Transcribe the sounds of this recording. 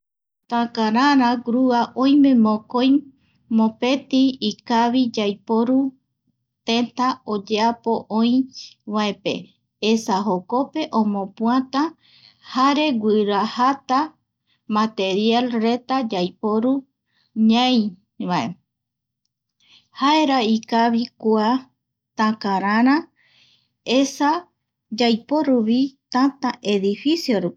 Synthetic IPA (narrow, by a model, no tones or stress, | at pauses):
t̪ãkãɾãɾãɡɾuaʔõjmẽ̞mõkoj | mõpe̞t̪iːkaβid͡ʒajpoɾu | t̪ẽnt̪aod͡ʒeapo̞ʔõĩβaepe̞̰ | esaɦoko̞pe̞ʔõmõpũãt̪ã | haɾe̞ɡʷɨɾahat̪a | mãt̪e̞ɾjalre̞t̪ad͡ʒajpoɾu | ɲãj̃ | βae | hae̞ɾaikaβikua | t̪ãkaɾãɾ̃ã | esa | d͡ʒajpo̞ɾuβit̪ãt̪aʔe̞ðifisjoɾupi